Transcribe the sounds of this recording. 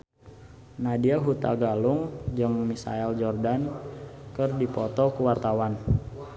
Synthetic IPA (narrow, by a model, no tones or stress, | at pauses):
nadiaɦut̪aɡalʊŋd͡ʒɨŋmisa̰ɛld͡ʒɔrdankərdipɔt̪ɔkuwart̪awan